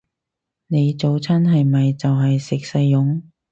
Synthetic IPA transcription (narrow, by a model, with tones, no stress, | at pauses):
ne˨˧jt͡so˨˧wt͡sʰɐ˥nɦɐ˨jmɐ˨jt͡sɐ˨wɦɐ˨jsɪ˨k̚sɐ˧jːʊ˨˧˥ŋ